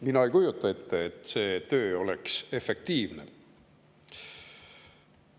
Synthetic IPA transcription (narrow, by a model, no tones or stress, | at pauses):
minɑejkujut̪ːˑɑe̞t̪ːeːt̪ːse̞ːt̪ø̞ːo̞lekse̞fe̞k̚t̪iːvne̞̰